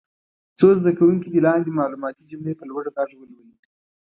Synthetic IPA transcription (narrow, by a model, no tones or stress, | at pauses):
t͡sozd̪akawuŋkid̪əlɑnd̪ed̪əmɑlumɑt̪id͡ʒʊmlepəlwaɽok̪ɑʒəwəlwaji